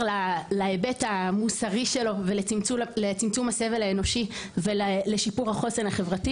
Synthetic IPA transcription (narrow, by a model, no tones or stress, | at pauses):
lalaebetamusaʁiʃe̞lo̞velet͡sulet͡simt͡sumhase̞ve̞laeno̞ʃivelleʃipuʁhaχo̞senhaχe̞vʁati